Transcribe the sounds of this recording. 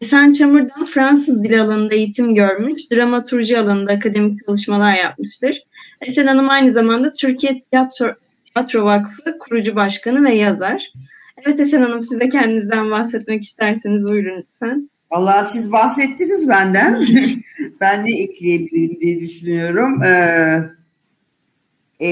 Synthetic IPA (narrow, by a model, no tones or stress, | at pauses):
sænt͡ʃʰamuɾd̪anfɾansɯzd̪ilʲalˠanɯnd̪aejit̪ʰimɟøɾmyʃd̪̥ɾamat̪ʰuɾʒɯalˠanɯnd̪aːkʰad̪e̞mic̚t͡ʃʰalˠɯʃmalˠaɾjap̚mɯʃt̪ʰɯɾ̥ɛt̪ɛnanɯmajnɯzamand̪at̪ʰyɾcʰijɛt̪ʰijat̪ʰ | ijat̪ɾo̞vakfɯkʰuɾud͡ʒubaʃkanɯvɛjazaɾ̥ | ɛvɛt̪ɛsɛnanɯmsizd̪ɛcʰɛnd̪inizd̪ænbaxsɛt̪̚maci̥st̪ʰæɾsenizujɾunsæn | valˠːaːsizbahsɛt̪ʰːinizbænd̪æn | bænːɛeclʲiebilʲiɾibid̪iɛd̪yʃynyjo̞ɾumɯ